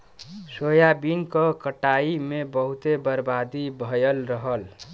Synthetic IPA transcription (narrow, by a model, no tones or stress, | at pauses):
sojabinkəkəʈaimebəɦut̪ebəɾbad̪ibʱəjəlɾəɦəl